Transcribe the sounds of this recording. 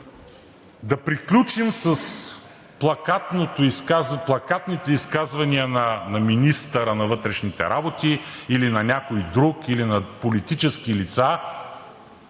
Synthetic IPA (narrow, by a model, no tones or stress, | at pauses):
d̪ɐpɾiklʲut͡ʃimsəs | plˠɐkat̪not̪ʊiskazplˠɐkat̪nit̪ɛiskazvɐniənɐnɐminist̪əɾənɐvɤt̪ɾɛʃnit̪ɛ̰ɾʔabot̪iilinɐnʲakojd̪ɾukilinɐpolit̪it͡ʃɛskilit̪sa